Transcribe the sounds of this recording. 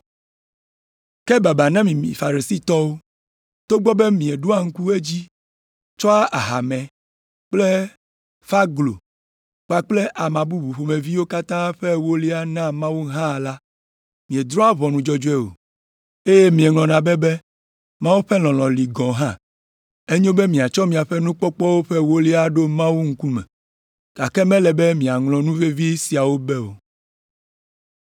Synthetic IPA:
ke˦ba˨ba˨nã˦mĩ˨mḭ̃˨fa˨ɾe˨si˦t̪ɔ˦wo˦ | t̪o˦ɡ͡bɔ˦be˦mĩ˨e˨ɖo˦a˦ŋ̩˦ku˦e˦d͡ʑi˦ | t͡ʃɔ˦a˦ʔa˨ɦa˨mɛ̃˨ | k͡ple˦ | fa˦ɡlo̰˨ | k͡pa˨k͡ple˦ʔa˨mã˨bu˦bu˨ɸo˨me˨vi˦wo˦ka˦t̪ã˦ɸe˦wo˦li˦a˦nã˦mã˦wo˦ɦã˦˨la˦ | mĩ˨e˨d̪ɾɔ˦a˦βɔ˨nũ˨d͡ʒɔ˦d͡ʒo˦e˦o̰˨ | e˦je˦mĩ˨e˨ŋlɔ̃˨nã˨be˦be˦ | mã˦wu˦ɸɛ˦lɔ̃˨lɔ̃˨li˨ɡɔ̃˨ɦã˦ | e˦ɲõ˦be˦mĩ˨a˨t͡ʃɔ˦mĩ˨a˨ɸɛ˦nũ˦k͡pɔ˦k͡pɔ˦wo˦ɸe˦wo˦li˦a˦ɖo˦mã˦wu˦ŋ̩˦ku˦mɛ̰˨ | ɡ̥a˨kɛ˦mɛ̃˦lɛ˨be˦mĩ˨a˨ŋlɔ̃˨nũ˦ve˦vi˦si˨a˨wo˦bɛ˦o̰˨

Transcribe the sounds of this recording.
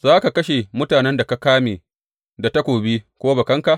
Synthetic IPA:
zaː˦ka˨kɐ˦ʃe˨mʊ˦taː˨nɛ˦nda˨ka˦kaː˦meː˨ | da˨tɐ˦kʷoː˨bi˦kʷoː˦ba˨kɐ˦ŋka˨ʔ

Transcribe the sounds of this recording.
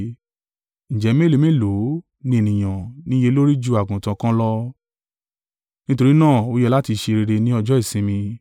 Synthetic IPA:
ñ̩˨d͡ʒɛ˨˦me˦˨le˨˦mẽ˦lo˨˦ | nĩ˦e˦˨nĩ˨j̃ã˨nĩ˦je˧˦lo˦ɾi˦d͡ʒu˦a˨ɡũ˨tã˧kã˦lɔ˦ | nĩ˦to˧ɾi˦nãː˦˨o˦jɛ˧la˦ti˧ʃe˧ɾe˧ɾe˧nĩ˦ɔ˧d͡ʒɔ˦i˦˨sĩ˧˦mĩ˧

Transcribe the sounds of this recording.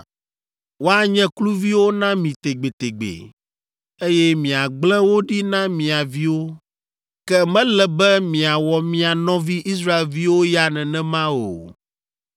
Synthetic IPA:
wo˦a˦ɲɛ̃˦klu˦vi˦wo˦nã˦mĩ˨t̪e˨ɡ͡be˨t̪e˨ɡ͡bḛ˨ | e˦jɛ˦mĩ˨a˨ɡ͡blɛ̃˦wo˦ɖi˦nã˦mĩ˨a˨vi˦wo˦ | kɛ˦mɛ̃˦lɛ˨bɛ˦mĩ˨a˨wɔ˨mĩ˨a˨nɔ̃˦vi˦ʔi˦s̬ɾa˦e˨lvi˦wo˦ja˦nɛ̃˨nɛ̃˦mã˦wo̰˨

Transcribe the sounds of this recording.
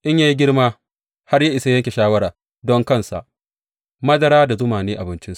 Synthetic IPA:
ʔɪ˦ɲjaː˦ji˦ɡʲɪ˦rmaː˦ | ha˦rja˦ʔɪ˨sa˦jɐ˦ŋʲkʲe˨ʃaː˦wɐ˦ɽaː˨ | dɔ˦ŋkɐ˦nsa̰˨ʔ | mɐ˦dɐ˦ɾaː˦da˨zʊ˦maː˨neː˦ʔa˨bɪ˦nt͡ʃɪ˦ns

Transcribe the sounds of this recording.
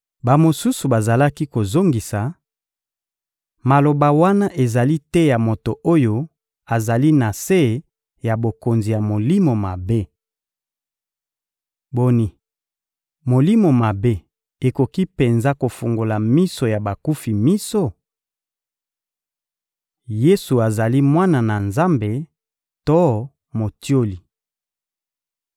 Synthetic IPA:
ba˨mo˨su˦su˨ba˨za˨la˦ki˦ko˨zo˦ŋɡi˨sa˨ | ma˨lo˨ba˨wa˦na˦ʔe˨za˨li˦tɛ˦ja˨mo˨to˨ʔo˦jo˦ | a˨za˨li˦na˨se˦˨ | ja˨bo˨ko˨nzi˨ja˨mo˨li˦mo˨ma˨be˦ | bo˦ni˨ | mo˨li˦mo˨ma˨be˦ | e˨ko˨ki˦pe˨nza˦ko˨fu˨ŋɡo˨la˨mi˦so˨ja˨ba˨ku˦fi˨mi˦so˦ | je˦su˨a˨za˨li˦mwa˦na˨na˨nza˦mbe˨ | to˦ | mo˨tjo˦li˨

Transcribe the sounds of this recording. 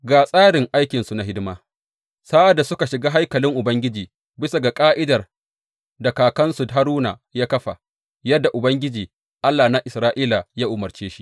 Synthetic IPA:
ɡaː˨sʼaː˦ɽɪ˨ŋʔa˦jkʲɪ˨nsu˨na˨ɦɪ˦dmaː˦ | saː˦ʔa˨dːa˨sʊ˦ka˨ʃɪ˨ɡaː˦ɦa˦jkɐ˨lɪ˦ŋʔʊ˨bɐ˦ŋɡʲɪ˦d͡ʒiː˨ | bɪ˦sa˨ɡa˨kʼaː˦ʔɪ˦dɐ˨r | dɐ˨kaː˨kɐ˦nsʊ˨dɦa˦ɾuː˦na˨jaː˦kɐ˦ɸa̰˨ | jɐ˦dːa˨ʔʊ˨bɐ˦ŋɡʲɪ˦d͡ʒiː˨ | ʔa˦lːaː˨na˦ʔɪ˨sɾaː˦ʔiː˦la˨jaː˦ʔʊ˨mɐ˨rt͡ʃeː˦ʃi̥˦ʔ

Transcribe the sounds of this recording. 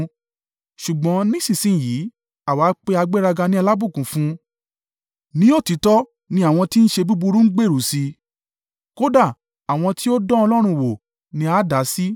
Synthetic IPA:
ʃu˨ɡ͡bɔ̃˨˦nĩ˦sĩ˨sĩ˦˨jiː˨˦ | a˨waː˨˦k͡pe˧a˧ɡ͡be˦ɾa˧ɡa˧nĩ˦a˧la˦bu˦˨kũ˨fũ˦ | nĩ˦o˦˨ti˨˧˦tɔ˦ | nĩ˧˦a˦˨w̃ɔ̃˧ti˦n̩˦ʃe˧bu˦bu˧ɾũ˦ɡ͡be˦˨ɾu˨si˧ | ko˦da˦˨ | a˨w̃ɔ̃˧ti˦o˦dɔ̃˦ɔ˧lɔ˦ɾ̃ũ˧˨wo˨ | nĩ˧a˦da˨˦si˦

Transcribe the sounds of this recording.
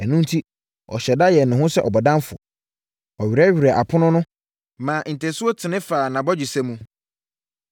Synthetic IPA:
ɛ˨nũ˦n̩˦tʰi˦ | ɔ̰˨ɕɛ˨da˦jɛ˨nʊ̃˨ɦʊ̃˦sɛ˦ʔɔ˨bɔ˨dã˦mfʊ̰˨ | ɔ˨ɥᶣɾɛ˦ɥᶣi˨ɾa˨ʔa˨pʰʊ˦nʊ̃˦nʊ̃˦ | mãː˨n̩˨tʰɛ̃˨sʊ˦o˦tʰɪ˨nɪ̃˦faː˨nã˨bɔ˦d͡ʑi˨sɛ˦mũ˦

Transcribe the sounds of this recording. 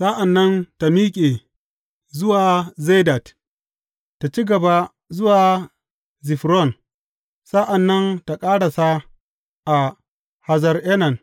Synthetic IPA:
sa˦ʔa˨nːɐ˦nta˨miː˦kʲʼe˨ | zʊ˦waː˨ze˦da˨t | ta˨t͡ʃi˦ɡɐ˨ba˦ | zʊ˦waː˨ | zi˨ɸɾɔ˦˨n | sa˦ʔa˨nːɐ˦nta˨kʼaː˦ɽa˨sa˦ | ʔa˨ | ha˨zɐ˨rʔɛ˦nɐ˨n

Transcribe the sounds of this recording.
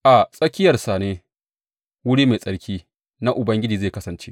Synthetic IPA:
ʔa˨sʼɐ˦kʲɪ˦jɐ˨rsa˨neː˦ | wʊ˦ɽiː˦ma˨sʼɐ˨ɽkʲiː˦ | na˦ʔʊ˨bɐ˦ŋɡʲɪ˦d͡ʒiː˨zeː˦˨kɐ˦sɐ˨nt͡ʃḛ˦ʔ

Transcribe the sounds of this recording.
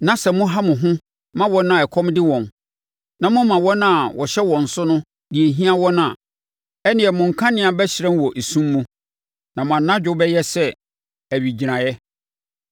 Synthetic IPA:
nã˨sɛ˨mʊ̃˦ɦa˦mʊ̃˨ɦʊ̃˦ | mã˦wɔ̃˦nã˨ɛ˨kʰɔ̃˦mdɪ˦wɔ̃˨n | nã˨mʊ̃˦mã˨wɔ̃˦nã˦˨wʔɔ˨ɕɛ˦wɔ̃˨n̩˨sʊ˦nʊ̃˦ | di˨e˨ɦĩ˦a˦wɔ̃˦nã˨ | ɛ˦nɪ̃˨ɛ˨mʊ̃˨ŋ̩˨kʰã˦nɪ̃˦a˨bɛ˦ɕɪ˨ɾɛ̃˦n˦wɔ˨ʔe˨sũ˦mːũ˦ | nã˨mʊ̃˨ã˨nːã˦d͡ʑᶣʊ˦bɛ˦jɛ˦sɛ˦ | æ˨ɥi˨d͡ʑi˨ɾã˨jɛ˦

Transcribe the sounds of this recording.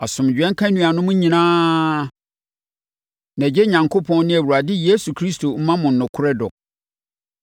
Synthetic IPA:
a˨sʊ̃˨md͡ʑᶣɛ̃˦ŋ̩˦kʰã˦nũ˨a˨nʊ̃˦mʊ̃˦ɲĩ˨nãː˦ | nã˨d͡ʑe˦ɲã˨ŋkʰo˦pʰɔ̃˦nnɪ̃˦æ˨wu˨a˨dɪ˦je˦su˨kʰɾi˦stʰo˨m̩˦mã˦mʊ̃˨n̩˨nʊ̃˨kʰʊ˦ɾɛ˦dɔ̰˨

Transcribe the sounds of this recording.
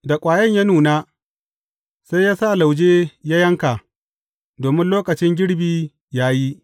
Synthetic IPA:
da˨kʷʼaː˨jɐ˦ɲja˦nuː˨naː˦ | sa˦jaː˦sa˦˨la˨wd͡ʒeː˦jaː˦jɐ˦ŋka˨ | doː˨mɪ˦nloː˦kɐ˨t͡ʃɪ˦ŋɡʲɪ˦ɽbiː˨ | jaː˦ji˦

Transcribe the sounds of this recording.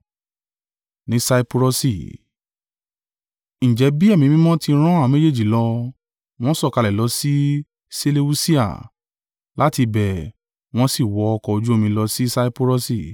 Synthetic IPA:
nĩ˨˦sa˧i˦pu˧ɾo˧si˨ | ñ̩˨d͡ʒɛ˨˦bi˦ɛ˦˨mĩ˨˧mĩ˦mɔ̃˦ti˧˦ɾ̃ɔ̃˦a˦˨me˦d͡ʒe˦˨d͡ʒi˨lɔ˧ | w̃ɔ̃˦sɔ˦˨ka˧lɛ˨lɔ˨˦si˦ | se˦le˦u˦si˦a̰˦˨ | la˨˦ti˧bɛ˨ | w̃ɔ̃˦si˦˨wɔ˨˦ɔ˧kɔ˧o˧d͡ʒu˦o˦˧mĩ˧lɔ˧si˦sa˦i˦po˧ɾo˦si˦˨

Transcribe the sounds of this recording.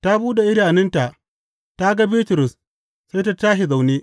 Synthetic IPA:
ta˦buː˦da˨ʔɪ˦ɽaː˨nɪ˦nta˨ʔ | ta˦ɡa˦biː˦tʊ˨ɾʊ˨s | sa˦jta˦taː˦ɦi˨za˨wneː˦

